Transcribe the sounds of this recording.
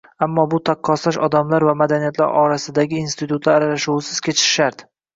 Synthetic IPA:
amːɒbʊt̪ʰaqʰːɒsaʃɒd̪amlaɾvamad̪anijat̪la̰ɾʔɒ̰ɾasɪd̪aɡʲɪːnst̪ɪt̪ʰut̪laaɾalaʃuwɪsɪz̥kʲʰe̞t͡ʃʰɪ̥ʃːaɾt̪

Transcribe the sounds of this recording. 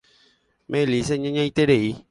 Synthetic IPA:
mʔẽlis̬eɲãɲãit̪eɖei

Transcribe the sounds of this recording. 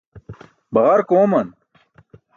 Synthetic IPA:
bɐʁɐɾkoːmɐn

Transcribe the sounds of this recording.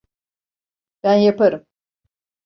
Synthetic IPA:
b̥ænjapaɾɯm

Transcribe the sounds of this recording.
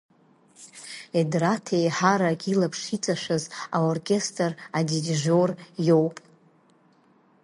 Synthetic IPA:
edratʰejħaɾaɡʲilapʰʂit͡sʼaʂʷᶣazaorkʲʼe̞stʰʼradidʒorjo̞wpʼ

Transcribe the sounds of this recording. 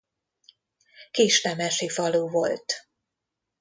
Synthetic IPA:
kiːʃnɛmɛʃifɒluːvo̞lt̪

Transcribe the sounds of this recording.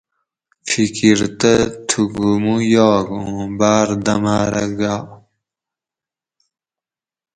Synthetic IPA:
fikiɾt̪ət̪ʰuɡumujoːɡũːbaːɾd̪ɐmaːɾɐ̰ɡaː

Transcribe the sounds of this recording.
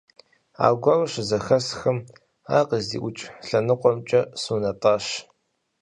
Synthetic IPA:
a̰ːɡʷɐrɕɨzɐxɐsxɐm | aːqəzḭːʔʷʊt͡ʃʼɬɐnɨqʷʼɔmt͡ʃʼɐsuːnɐtʼɑːɕ

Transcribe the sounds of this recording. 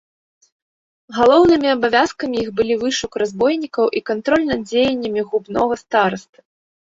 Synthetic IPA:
ɣalˠɔwnɨmʲiabavʲaskɐmʲijixbɨlʲivɨʂukrazbɔjnʲikɐwʔikant̪ɾɔlʲnad̪d͡zʲejɛnʲːɐmʲiɣubnɔɣɐst̪aɾɐst̪ɐ

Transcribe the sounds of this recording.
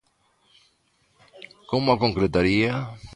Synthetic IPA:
komʊakoŋkɾet̪aɾia

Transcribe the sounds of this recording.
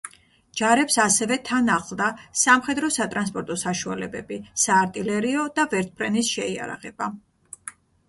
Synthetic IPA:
d͡ʒaɾɛpsasɛvɛt̪ʰanaχlˠd̪asamχɛd̪ɾɔsat̪ʼɾans̬pʼɔɾt̪ʼɔsaʃualɛbɛbisaːɾt̪ʼilɛɾiɔd̪avɛɾt̪̚ʰbɾɛnisʃɛia̰ɾa̰ʁɛb̥a

